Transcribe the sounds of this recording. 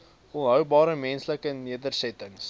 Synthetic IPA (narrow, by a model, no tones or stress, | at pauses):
ɔnɦəwbɑːɾəmɛnsləkəniədərsɛtəŋs